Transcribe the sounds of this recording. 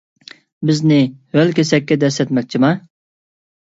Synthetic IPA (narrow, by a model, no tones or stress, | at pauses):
bɪznɪhølkʲesɛkʲːɛd̪ɛsɛt̪mɛk̚ʲt͡ʃʰimɑ